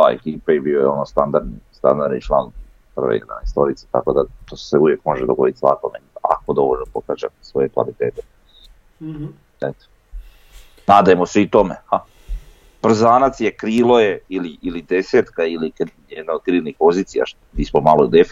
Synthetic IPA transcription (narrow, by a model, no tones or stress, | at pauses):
a̰ḛkiːpajebiojeo̞nost̪and̪aɾd̪nḭst̪a̰nd̪aɾd̪nit͡ʃlˠa̰ːn | pr̩ʋḛḭlanaist̪o̞ɾit̪se̥t̪a̰ko̞d̪at̪oseuʋjekmo̞ʒed̪oɡo̞d̪it̪sʋa̰konea̰ko̞d̪o̞ʋoʎlnopokaːd͡ʒa̰sʋojekʋa̰lit̪eːt̪e | et̪e̥ | naːd̪ajemoseit̪o̞mḛa | b̥r̩zaːnat̪sjekɾiːlˠoje̞iliʔilid̪e̞seːt̪kailikjed̪naod̪̥̚kɾiːlixpo̞ziːt̪sija̰ʃ | mismomalod̪ef